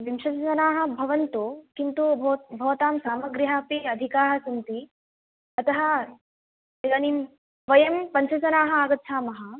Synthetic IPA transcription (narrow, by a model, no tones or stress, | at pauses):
ʋimʃɐt͡ʃɐt͡ʃɐnaːɦɐ̆bʱɐʋɐnt̪okint̪ubɐbʱɐʋt̪aːmsaːmɐɡɾiɦaːpiɐd̪ʱikaːɾɐsɐnt̪i | ɐt̪ɐɦɐ̆ | eanim | ʋɐjɐmpɐɲʃɐt͡ʃɐnaːɦɐaːɡɐt̪ːʃʰaːmɐɦɐ